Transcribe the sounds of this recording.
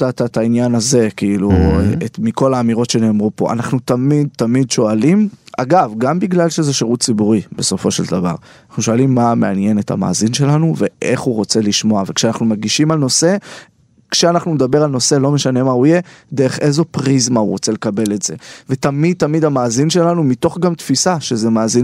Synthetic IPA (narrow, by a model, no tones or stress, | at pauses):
tatat̪ainjanaze̞kiiluemiko̞laːmiʁo̞tʃe̞ne̞ːmʁupo̞̰ʔa̰naχnut̪amid̪̚t̪amid̪ʃo̞alima̰ɡavɡambiɡlalʃe̞ze̞ʃeʁut̚t͡sibuʁibe̞so̞fo̞ʃeld̪ava̰ʁ | naχnuʃo̞alimːameanje̞netha̰ma̰ːzinʃe̞lanuve̞ʔe̞χuʁo̞t͡se̞liʃmo̞ave̞kʃeanaχnumaɡiʃimalno̞se̞ | kʃeanaχnuned̪abe̞ʁalno̞se̞lo̞me̞ʃane̞maujed̪eeχʔe̞zo̞pʁizmauʁo̞t͡se̞lekabe̞le̞tz̥e̞ve̞t̪amid̪̚t̪amid̪amaːzinʃe̞lanumit̪o̞χɡamt̪fisaʃe̞zemaːzin